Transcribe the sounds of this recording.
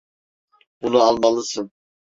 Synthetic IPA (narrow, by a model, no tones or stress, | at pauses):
b̥unuɑlˠmɑlˠɯsɯn